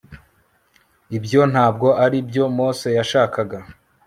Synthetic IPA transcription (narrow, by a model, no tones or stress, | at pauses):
ibjo̞n̥haːb̚ɡo̞ʔaɾibjo̞moːse̞jaʃaːkaɡa